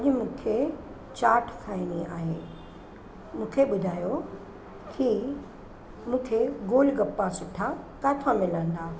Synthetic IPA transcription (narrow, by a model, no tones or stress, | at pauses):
ɐʄmũːkʰe | t͡ɕaːʈʰkʰaːĩnia̰ːɦeː | mũːkʰeɓʊd̪ʱaːjo | ki | mũːkʰeɡoːlɡɐpːasʊʈʰakaːt̪ʰamɪlə̃nd̪aː